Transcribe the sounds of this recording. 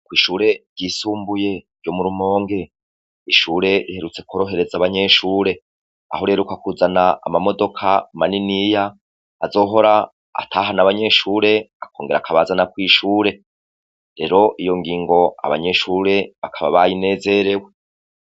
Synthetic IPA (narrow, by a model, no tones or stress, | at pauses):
kwiːʃuːɾe̞ɾɟiːsuːmbuje̞̥ | ɟo̞muɾumo̞ːŋɡe̞ | iʃuːɾe̞ihe̞ɾut͡se̞koɾo̞ɦe̞ɾe̞zaβaɲe̞ʃuːɾe̞ | a̰ho̞ɾieːɾukakuzana̰ːmamo̞do̞kʰamaninijaː | zo̞ːɦo̞ɾa | a̰tʰaːɦanaβaɲe̞ʃuːɾe̞akʰo̞ːŋɡe̞ɾa̰kʰaβazanakwiːʃuːɾe̞ | ɾe̞ːɾo̞ʔijo̞ŋɡiːŋɡo̞a̰βa̰ɲe̞ʃuːɾe̞βakʰaβa̰βajine̞ːze̞ɾe̞we̞